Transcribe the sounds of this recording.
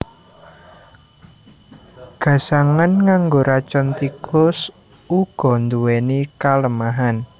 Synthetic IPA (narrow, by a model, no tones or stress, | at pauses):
ɡ̥ä̤saŋanŋaŋɡoɾat͡ʃɔnt̪ikʰɔs | uɡ̥ɔ̤nd̪uwenikaləmaɦan